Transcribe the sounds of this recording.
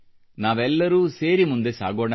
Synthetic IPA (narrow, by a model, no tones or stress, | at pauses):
naːʋɛlːɐɾuːseːɾimund̪e̞sa̰ːɡoːɳɐ